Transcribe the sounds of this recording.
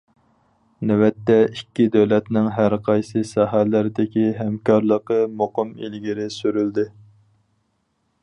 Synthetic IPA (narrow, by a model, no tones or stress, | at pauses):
nɛwɛt̪ːɛikʲːid̪ɛwlɛt̪nɪŋɦæɾqʰɑjsɨsɑɦælɪɾɪd̪ɪkʲiɦɛmkʰɑɾlˠəqəmoqəmḭlɡʲiɾɪsyɾyld̪ɪ